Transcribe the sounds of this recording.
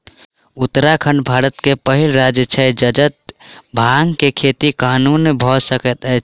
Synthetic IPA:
ut̪ːɾakʰəɳɖbʱaɾət̪kepəɦilɾad͡ʒət͡ʃʰəd͡ʒəd͡ʒət̪̚bʱaŋɡkekʰet̪ikanunbʱɔsəkət̪ɛ

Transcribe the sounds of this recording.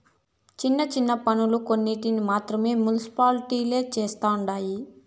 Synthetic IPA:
t͡ʃinːɐt͡ʃinːɐpɐnuluko̞nːiʈinimaːt̪ɾɐme̞ːmjunisi̥paːlʈiːle̞ːt͡ʃeːst̪aːuɳɖaːji

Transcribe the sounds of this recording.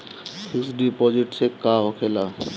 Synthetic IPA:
sʰɪksɖipɔːd͡ʒɪʈsekaokʰelaː

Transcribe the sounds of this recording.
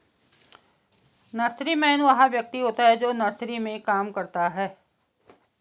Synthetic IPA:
nɐɾsɾimɛ̃ːnʋɐɦãʋjɐk̚t̪iɦoːt̪aɦɛd͡ʒoːnɐɾsɾimẽkaːmkɐɾt̪aɦɛː

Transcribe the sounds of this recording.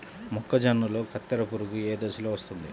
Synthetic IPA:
mɔkːɐd͡ʒɐnːɐlo̞ːkʰɐt̪ːɐɾɐpuɾukueːd̪ɐsuloʋɐst̪und̪i

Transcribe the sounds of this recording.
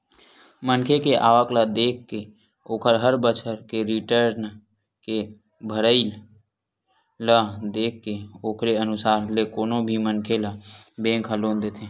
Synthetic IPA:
mənkʰekeʔaːʋəklad̪eːkʰːke | oːkʰəɾɦəɾbət͡ʃʰəɾkeɾiʈəɾn | ke | bʱəɾəɪl | lad̪eːkʰːeoːkʰɾeənʊsaːɾlekoːnobʱimənkʰelabẽːŋkʰəloːnd̪eːt̪ʰẽː

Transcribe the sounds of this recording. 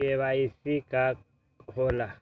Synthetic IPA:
ɛβaisiɡ̥ʱa | hɔla

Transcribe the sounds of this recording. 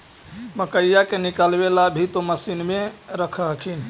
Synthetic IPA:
məkəjjakenikalbelabʱit̪oməsinmeɾəkʰəɦkʰin

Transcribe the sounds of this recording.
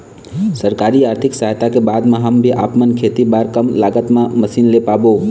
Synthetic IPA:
səɾkaːɾiaːɾt̪ʰɪksaɦt̪akebaːd̪mãɦəmbʱiʔa̰ːpmənkʰet̪ibaːɾkəmlaːɡət̪mãməsiːnlepaːboː

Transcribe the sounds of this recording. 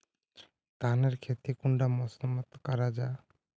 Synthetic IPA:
d̪̥aneɾkʰet̪ikuɳɖamɔsɔmɔt̪kaɾad͡ʒa

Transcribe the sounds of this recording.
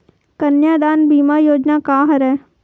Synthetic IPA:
kənjaːd̪aːnbiːmaːjoːd͡ʒnaːkaːɦəɾɛː

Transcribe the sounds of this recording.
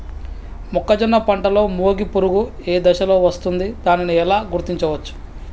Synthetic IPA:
mɔkːɐd͡ʒinːɐpɐɳʈɐlo̞ːmoːɡipuɾuɡueːd̪ɐʃɐlo̞ːʋɐst̪und̪id̪̥aːniniɛlaːɡuɾt̪iɲt͡ʃɐʋɐt͡ʃːu̥

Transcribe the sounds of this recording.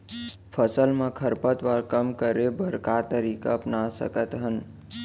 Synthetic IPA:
pʰəsəlmãkʰəɾpət̪ʋaɾkəmkəɾebəɾkat̪əɾiːkaəpnasə̰kət̪ɦən

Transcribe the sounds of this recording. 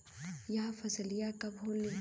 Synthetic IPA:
jafɐzlijakɐbʱoːlːi

